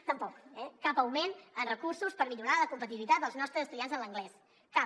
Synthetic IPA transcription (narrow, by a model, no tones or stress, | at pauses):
t̪əmpɔkɛkapəwmenənrəkursuspəɾmiʎuɾaləkumpət̪̬iβilit̪at̪̚d̪əlˠznɔst̪ɾəzəst̪uðianzənləŋɡlɛs | ka